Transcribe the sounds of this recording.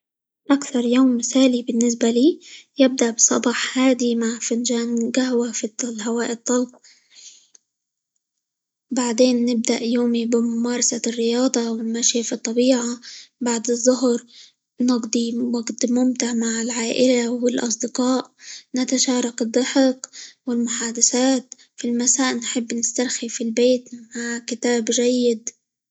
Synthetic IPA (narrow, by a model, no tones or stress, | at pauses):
ʔakθɑɾˤjoːmːɪsaːlibɪnːɪs̬baliːjɪb̚d̪aʔbsˤɑ̰bɑːħhaːd̪imaʕfɪnʒaːnɡaɦwafilɦawaːʔɪt̪ˤːɑlb̚ | baʕd̪eːnːɪb̚d̪a̰ʔjoːmibɪmʊmɑːɾˤɑsarːɪjɑːd̪ˤɑwɪmaʃifit̪ˤːɑbiːʕabaʕd̪ɨzˤːʊɦɾ | nɑɡd̪ˤiwaɡt̪mʊmt̪ɪʕmaʕɪlʕaːʔɪlawɪlʔɑs̬ˤd̪ɪqɑːʔnat̪aʃɑːɾˤɑkɨd̪ˤːɑħɪqwɪlmʊħaːd̪asaːt̪ | filmasaːʔnħɪbːnɪst̪aɾxifilbeːt̪mmaʕkɪt̪aːbʒajːɪd̪